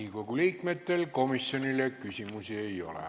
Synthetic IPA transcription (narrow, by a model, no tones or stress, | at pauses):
iŋkokuliːkmet̪ːelkomisːjonilekkysimusieio̰lḛ